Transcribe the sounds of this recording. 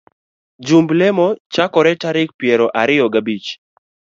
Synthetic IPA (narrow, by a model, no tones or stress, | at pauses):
d͡ʒumblɛmɔt͡ʃakɔɾɛtaɾɪk̚pjɛɾɔʔaɾɪɔɡabit͡ʃ